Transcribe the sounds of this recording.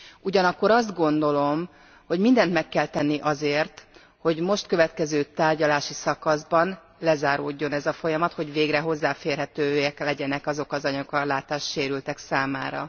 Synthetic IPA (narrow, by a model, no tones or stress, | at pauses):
uɟɒnɒkːo̞ɾɒzd̪ɡo̞nd̪o̞lo̞m | ho̞ɟmind̪ɛnt̪mɛkːɛlt̪ɛnːiʔɒzeːrt̪ | ho̞ɟmo̞ʃt̪køvɛt̪kɛzøːt̪aːrɟɒlaːʃisɒkɒzbɒn | lɛzaːɾo̰ːɟːo̞nɛzɒfo̞jɒmɒt̪ho̞ɟveːɡrɛɦo̞zːaːfeːrɦɛt̪øːjɛklɛɟɛnɛkɒzo̞kɒzɒɲɒkɒlaːt̪aːʃt̪ʃeːɾylt̪ɛksaːmaːɾɒ̰